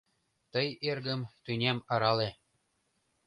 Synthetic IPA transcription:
t̪ɤ̆jerɣə̆mt̪ynʲemɤ̆ɾɑle

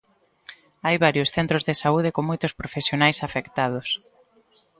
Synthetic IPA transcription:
ajβaɾjosθent̪ɾozðesauðekoŋmojt̪ʊspɾofesjonajsafekt̪að̞ʊs

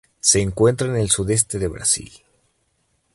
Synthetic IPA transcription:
se̞ːŋkwe̞nt̪ɾaene̞lsuðe̞s̬t̪e̞ðe̞βɾa̰sḭl

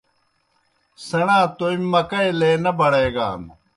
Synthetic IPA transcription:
sɐɽ̃ãːt̪oimːɐkɐeleːnɐbɐɽeːɡa̰ːm

